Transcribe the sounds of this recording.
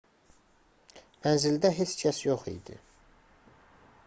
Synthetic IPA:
mænzild̪æɦe̞t͡ʃcʰæsjoχḭd̪ḭ

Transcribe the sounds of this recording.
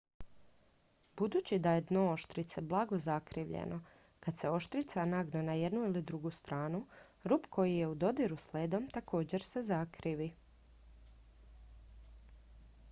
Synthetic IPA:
bud̪uːt͡ɕid̪ajed̪no̞oʃt̪ɾit̪seblˠaɡo̞zakɾiʋʎḛnʔo̞ | kad̪̥se̞o̞ʃt̪ɾit̪sanaɡnanaje̞d̪nuilid̪ɾuɡust̪ɾʔaːnu | ɾuːpko̞jije̞ud̪o̞d̪iɾusleːd̪o̞mt̪akʰo̞ːd͡ʑe̞ɾse̞zakɾiʋi

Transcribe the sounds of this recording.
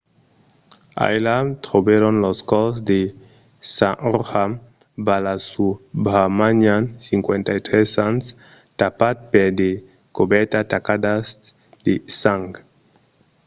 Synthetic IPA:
a̰jlat̪ɾobeɾonloskɔsd̪e | sãʔɔɾham | balasubamaɲansiŋkwent̪ajt̪ɾɛsans | t̪apat̪̚peɾd̪e | kobɛɾt̪at̪akad̪as | d̪̥esaŋɡ

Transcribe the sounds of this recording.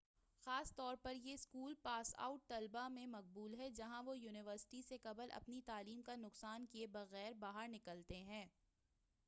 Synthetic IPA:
xaːst̪ɔːɾpɐɾjeskuːlpaːsa̰ːʊʈ̚t̪ɐlbamẽmɐq̚buːlɦɛd͡ʒɐɦãʋojuːnɪʋəɾsɪ̥ʈisekɐbəlʔɐ̰pnit̪aːliːmkanʊqsaːnkiebɐɣɛːɾbaːɦəɾnɪkəlt̪eɦɛ̃ː

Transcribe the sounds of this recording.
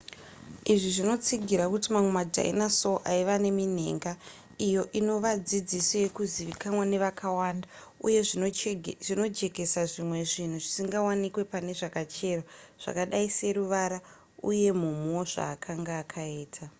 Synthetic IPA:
iʐiʐino̞t͡siɡʱiɾakutimamwe̞madʱa̰ḭnaso̞ʔaiʋane̞min̤ḛŋɡa | ijo̞ʔino̞ʋad͡zid͡ziso̞je̞kuziʋikanwane̞ʋakawaːnda | ṵje̞ | ʐino̞d͡ʒe̞ke̞saʐimwe̞ʐin̤uʐisiŋɡawanikwe̞pane̞ʐakat͡ʃe̞raʐ̥a̰kaɗaise̞ɾuʋaɾa | ṵje̞mumoʐa̰ːkʰaŋɡaːkʰaeːtʰa

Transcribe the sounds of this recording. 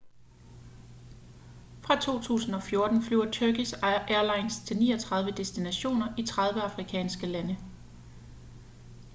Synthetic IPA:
fʁɑ̈t͡sʰo̝̰ːt͡sʰṵːsn̩ɒ̽fjo̝ɐd̥n̩flyʊ̰ɐt͡sʰøɐɡ̥isʔæɐlɑ̈ɪnst͡sʰe̝lnḭːɒt͡sʰʁɑ̈ð̞ˠʋəd̥e̝sd̥inæɕo̝̰ːnɐʔit͡sʰʁɑ̈ð̞ˠʋəɑ̈fʁikʰɛ̰ːnsɡ̥əlænə

